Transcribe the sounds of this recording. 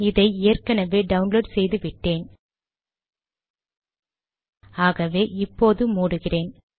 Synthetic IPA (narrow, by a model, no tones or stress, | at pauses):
ɪðɐɪeːɐrkɐnɐʋeːɖɐʊnloːɖsɛjðɯʋɪʈːeːn | aːɣɐʋeːʔɪpːoːðɯmuːɽɯɣɪreːn